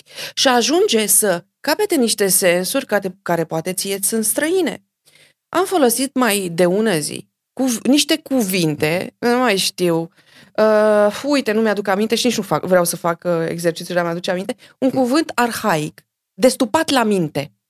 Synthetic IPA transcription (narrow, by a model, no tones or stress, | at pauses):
ʃiaʒund͡ʒe̞sə | kape̞t̪eniʃt̪e̞se̞nsurʲkat̪ekaɾe̞poat̪e̞t̪sʲije̞t̪sʲɨnst̪ɾəine̞̰ | ʔamfo̞lo̞sit̪majd̪e̞unəzḭ | kuvniʃt̪e̞kuvint̪e̞numajʃt̪iw | əujt̪e̞numead̪ukamint̪e̞ʃinit͡ʃnufakvɾeawsəfakəe̞̰ɡzse̞rt͡ʃit̪sʲuamjad̪ut͡ʃeamint̪e̞uŋkuvɨnt̪arxaik | d̪e̞st̪upat̪lamint̪e̞